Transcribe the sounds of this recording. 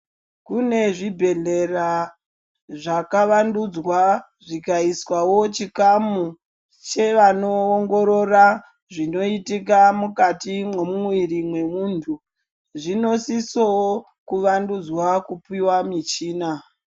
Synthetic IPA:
kune̞ʐibʱe̞ɮe̞ra | ʐakaʋandud͡zwa | ʐikaiswawo̞t͡ʃikamu | t͡ʃe̞ʋanoːŋɡo̞ɾo̞ra | ʐino̞itik̬amukatimwe̞mumwirimwe̞muːntʰu | ʐino̞siso | kuʋandud͡zwakupiwamit͡ʃiːna

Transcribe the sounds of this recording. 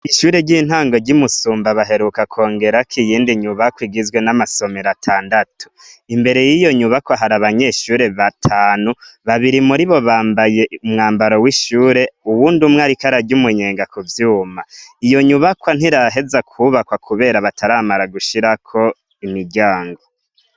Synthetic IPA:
iʃuːɾe̞ɟiːn̥haːŋɡo̞ɟimusuːmbaβaɦe̞ɾukakʰo̞ːŋɡe̞ɾakʰijiːndiɲuβakwiɡizɡwe̞namaso̞meɾatʰaːndatʰu̥ | imbe̞ɾe̞jijo̞ɲuβakwaɦaɾaβaɲeʃuːɾe̞βatʰaːnuβaβiɾimuɾiβo̞βaːmbaje̞umŋaːmbaɾowiʃuːɾe̞uwuːndumŋaɾikaɾaɟumuɲeːŋɡakʰuvjuːmaijo̞ɲuβakwan̥hiɾaɦe̞zakʰuβakwakuβe̞ːɾaβatʰaɾaːmaɾaɡuʃiɾakʰo̞ | imiɟaːŋɡo̞

